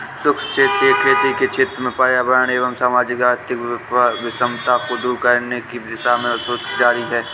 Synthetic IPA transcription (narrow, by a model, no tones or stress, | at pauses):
sʊkst͡ʃʰeːt̪ekʰeːt̪iket͡ʃʰɪːt̪ɾəmẽpaːjabəɾəñeːʋəmsaːmaːd͡ʒɪkaːɾt̪ɪkʋɪsəmt̪akod̪uːɾkəɾnekiɪsamẽəsoːsd͡ʒaːɾiɦɛː